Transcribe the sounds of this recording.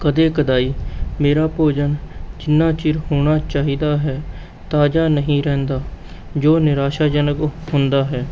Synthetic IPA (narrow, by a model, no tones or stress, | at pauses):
kəd̪eːkəd̪aːiːmeːɾaːpoːd͡ʒənd͡ʒɪnːaːt͡ʃɪɾɦoːɳ̃aːt͡ʃaːɦiːd̪aːɦɛː | t̪aːd͡ʒaːnəɦĩːɾɛ̃ːnd̪aː | d͡ʒoːnɪɾaːʃaːd͡ʒənəkɦʊnd̪aːɦɛː